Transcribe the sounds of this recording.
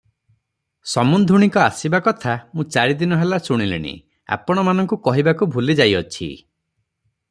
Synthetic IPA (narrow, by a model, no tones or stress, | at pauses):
sɔmund̪ʱuɽ̃ikɔasibakɔt̪ʰamũt͡ʃaɾid̪inɔɦelasuɽ̃ilḭɽ̃ḭ | a̰pɔɽ̃ɔmanɔŋkukɔɦibakubʱulid͡ʒajɔt͡ʃʰḭ